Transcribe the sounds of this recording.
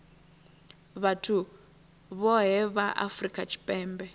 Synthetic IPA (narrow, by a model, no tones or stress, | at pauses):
βatʰu | βɔɦɛβaʔa̰frikʼat͡ʃʰi̥pʼɛːmbɛ